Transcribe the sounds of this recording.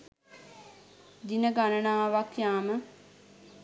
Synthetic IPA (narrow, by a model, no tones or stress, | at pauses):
d̪inəɡanənaːʋakjaːmə